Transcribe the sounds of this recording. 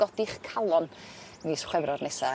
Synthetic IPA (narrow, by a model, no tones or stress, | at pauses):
ɔdiχkʰalˠɔn | nisχwɛvɾɔrnɛsa